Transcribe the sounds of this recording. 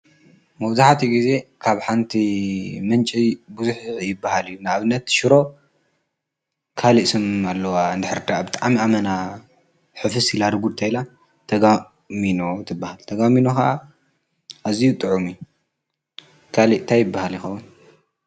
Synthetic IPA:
mɐβzaħt̪ʰiɡize̞kʰaβħant̪ʰimɨnt͡ʃʼibuzuħjɪbːahalɨjːunaaβɨnːɐt̪ʃɪɾo̞ | kʰaliʔsɨmalːɐwand̪ɨħɨɾd̪aʔbɨt̪ʼaʕmiamɐna | ħɨfɨsilaɾɡud̪t̪ʰajla | t̪ʰɐɡa | mino̞t̪ʰɨbːahalt̪ʰɐɡaminokaʔa | ʔazijut̪ʼɨʕumiju | kʰaliʔt̪ʰajɪbːahaljixɐwːun

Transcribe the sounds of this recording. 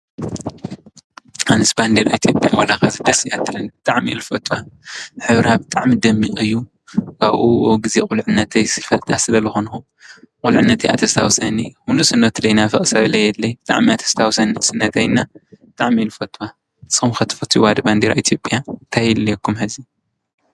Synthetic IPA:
anɨsband̪eɾaʔit̪ʰjopʼjawɐlakazɨd̪ɐsɨjat̪ʰːɨlɨnb̥ɨt̪ʼaʕmḭlfɐt̪ʰːwaħɨβɾabɨt̪ʼaʕmid̪ɐmːiʔʼɨjːu | kʰaβʔuɡɨzekʼulʕɨnːɐt̪ʰɐjsɨfɐlt̪ʰʼasɨlɐlɨxonxu | kʼulʕɨnːɐt̪ʰɐjʔa̰t̪ʰɐst̪ʰawsɐnixunusɨnːɐt̪lɐjnafɐχʼsɐβlɐjɛlːɐjbɨt̪ʼa̰ʕmiat̪ʰɐ̥st̪ʰawsɐnisɨnːɐt̪ʰɐjnːabɨt̪ʼaʕmilfɐt̪ʰːwa | sɨxumxɐt̪ʰɨ̥fɐt̪ʰiwad̪ɐband̪eɾaʔit̪ʰjopʼjant̪ʰajɛlːekːumħɨzi

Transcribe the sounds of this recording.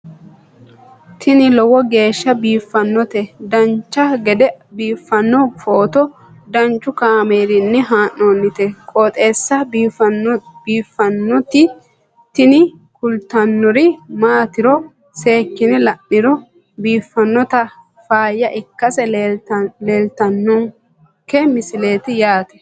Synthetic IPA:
t̪ʰɪnɪlɔwɔɡe̞ːʃːɐbiːfːɐnːɔt̪ɛd̪ɐnt͡ʃːɐɡɛd̪ɛbiːfːɐnːɔfoːt̪ɔ | d̪ɐnt͡ʃːʊkaːmeːɾɪnːɛɦaːnːoːnːɪt̪ɛkʼoːt̪ʼe̞ːsːɐ | biːfːɐnːɔt̪ɪ | t̪ɪnɪ | kʊlt̪ɐnːɔɾiɪmaːt̪ɪɾɔ | se̞ːkːɪnɛlɐnːɪɾɔ | biːfːɐnːɔt̪ɐ | faːjːɐʔɪkːɐsɛ | le̞ːlt̪ɐnːɔŋ | kɛmɪsɪle̞ːt̪ɪjaːt̪ɛ̥

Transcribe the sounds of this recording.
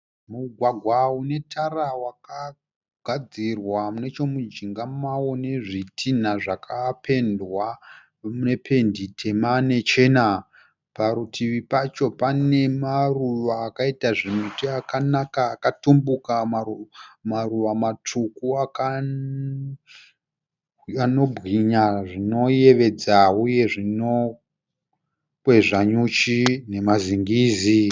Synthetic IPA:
muɡʱwaɡʱwaune̞tʰarawaka | ɡʱad͡zirwamune̞t͡ʃo̞mud͡ʒiŋɡamawo̞ne̞ʐitʰin̤aʐakʰapʰe̞ndwa | mune̞pʰe̞nditʰe̞mane̞t͡ʃe̞ːna | paɾutʰiʋipat͡ʃo̞pane̞maruʋaːkaitaʐimutiakanakaːkatumbukamamaruʋamat͡ʂʰukuaka | ano̞bɣiɲaʐino̞je̞ʋe̞d͡zauje̞ʐino | kwe̞ʐaɲut͡ʃine̞maziŋɡiːzi

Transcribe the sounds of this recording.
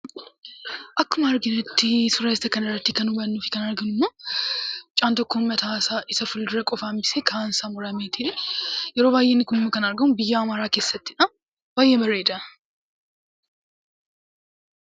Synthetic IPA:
ʔɐkːʊmɐːɾɡɪnɛt̪ːɪsʊɾɐɪst̪ɐkɐnɐrːɐt̪ːɪkɐnʊbɐnːuːfɪkɐnɐɾɡɐnʊmːoː | t͡ʃʼaːnt̪ɔkːomːɐt̪aːsaʔɪsɐfʊld̪ʊɾɐkʼɔfaːmɪseːkʰansaːmɔɾɐmeːt̪ɪᶑɛjɛɾoːβaːjːenːɪkʊnʊmːɐkɐnɐɾɡɐmʊnbɪjːaːmaːɾaːke̞ːsːɐt̪ːɪᶑɐ | baːjːebɐrːeːd̪ɐ

